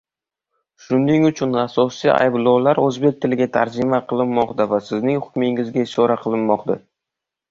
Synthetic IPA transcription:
ʃʊnːɪŋʊt͡ʃʰʊnasɒsḭʔa̰jblˠɒwlaɾɵzbe̞k̚ʲt̪ʰɪlɪɡʲat̪ʰa̰ɾd͡ʒɪmaqʰɨlˠɪnːɒqt̪avasɪznɪŋhʊ̥kʲmɪŋɪzɡʲaɪʃɒɾaqʰɨlˠɪnmɒqd̪a

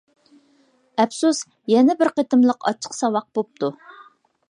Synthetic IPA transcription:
ɛpsus | jɛnɛbɪɾqet̪ɨmlˠəqʰɑ̰t͡ʃʰːə̥qsɑwɑq̚b̥op̚t̪ʰu

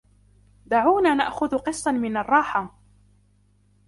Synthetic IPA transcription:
d̪aʕuːnaːna̰ʔxʊðqɨsˤːɑmɪnɑrˤːɑːħa

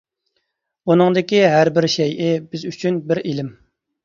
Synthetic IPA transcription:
unɨŋd̪ɪkʲiɦæɾbɪɾʃɛjʔɪbɪzyt͡ʃʰynbɪɾilɪm

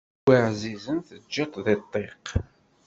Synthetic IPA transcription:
iʕzizənθəd͡ʒːit̪ðet̪ˤːeq

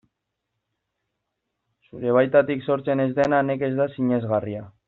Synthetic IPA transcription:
suɾe̞βajt̪at̪ikso̞ɾt͡se̞ne̞zd̪enane̞ke̞zd̪asiɲe̞zɣaria

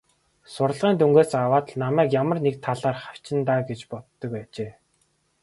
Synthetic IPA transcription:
sʊr̆ɮʁiːnt̪uŋɡeːsawaːt̪ɮnamæːkjamə̆rnek̚t̪ʰaɮaːrχaw̥t͡ɕɪ̆nt̪aːɡet͡ɕpɔt̪ːɞ̆kpæːt͡ɕeː

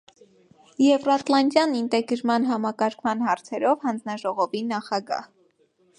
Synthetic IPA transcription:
jɛvrɑt̪lɑnd̪jɑnint̪ɛɡəɾmɑnɦɑmɑkɑɾkʰmɑnɦɑɾt͡sʰɛɾɔvhɑnd͡znɑʒɔʁɔvinɑχɑɡɑ̰h

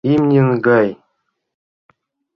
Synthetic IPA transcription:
imnʲinɡaj

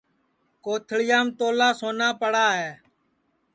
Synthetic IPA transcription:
koːt̪ʰɭɪjaːmt̪oːlaːsoːnaːpəɽaːɦeː

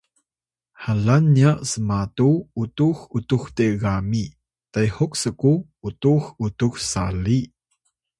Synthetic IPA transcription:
ħalanːiaʔsəmatuutuxutuxteɣami | tajhuksəku | utuxutuxsali

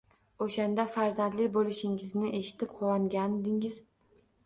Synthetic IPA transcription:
oʃand̪afaɾzand̪lɪkʲbolɪʃɪŋɪznɪʔe̞ʃɪ̥t̪ʰɪp̚qʰɒwɒŋɡʲand̪ɪŋɪz̥

